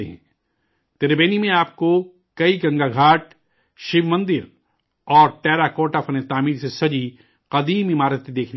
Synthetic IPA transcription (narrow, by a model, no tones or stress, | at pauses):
eɦɛ̰̃ | t̪eɾbeːnimẽaːp̚ko | kɐiɡɐ̃ŋɡaɡʱaːʈ | ʃɪʋmɐ̃nd̪ɪɾ | ɔːɾʈɛːɾakoːʈaːfʰɐnet̪aːmiːɾsesɐd͡ʒi | qɐd̪iːmɪmaːɾət̪ːid̪eːkʰn